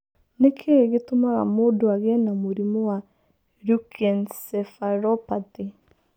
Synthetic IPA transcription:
nekʰeɣetomaɣa̰moːdoaɣɛnamuɾimɔwa | ɾukʰɛnsɛfaɾɔpate

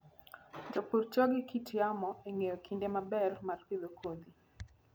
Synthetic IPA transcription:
d͡ʒɔpuɾt͡ʃɔɡikitʰiamɔɛŋeɔkʰindɛmabɛlmarpiðɔkʰod̪i

